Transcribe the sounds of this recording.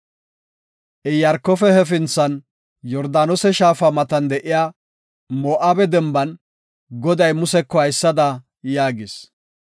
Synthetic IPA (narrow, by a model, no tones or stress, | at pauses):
ʔɛjɐɾkːɔfɛhɛfɪnt͡sːɐn | jɔɾd̪aːnɔsɛʃaːfɐmɐt̪ɐnd̪ɛʔɪjaː | moːʔaːbɛd̪ɛmbɐn | ɡɔd̪ɐjmʊsɛkːɔhɐjsːɐd̪ɐ | jaːɡɪs